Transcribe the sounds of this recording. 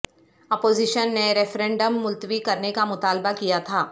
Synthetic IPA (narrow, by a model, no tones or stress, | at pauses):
ɐpoːzɪʃənːeɾɛːfɾẽːɳɖəmːʊlt̪ʋikɐɾnekamʊt̪aːlbakijat̪ʰaː